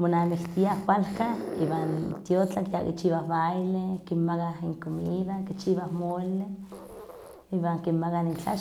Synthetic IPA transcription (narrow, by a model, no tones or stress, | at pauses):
monanikt̪iahwalkaiβant̪jot͡ɬakjakḭt͡ʃiːβahβajlekinmakahiŋkomiːðakit͡ʃiːβahmole | iβaŋkinmakanint͡ɬa